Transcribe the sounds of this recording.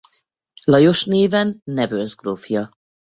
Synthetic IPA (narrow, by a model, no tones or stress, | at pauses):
lɒjo̞ʃneːvɛnːɛvøzɡrofjɒ